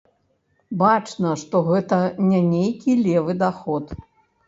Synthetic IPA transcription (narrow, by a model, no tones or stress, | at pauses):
bat͡ʂnɐʂt̪ɔɣɛt̪ɐnʲɛnʲejkʲilʲɛvɨd̪axɔt̪